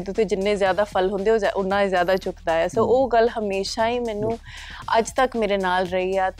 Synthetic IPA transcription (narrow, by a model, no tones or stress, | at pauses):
t̪ʊt̪ʰẽːd͡ʒɪnːẽːzjaːd̪aːpʰəlɦʊ̃nd̪eːoʔʊnːãːezjaːd̪aːt͡ʃʊkd̪aːɛːsoːoːɡəlɦəmeːʃaːiːmɛːnũː | əd͡ʒt̪əkmeːɾeːnaːlɾəiːaː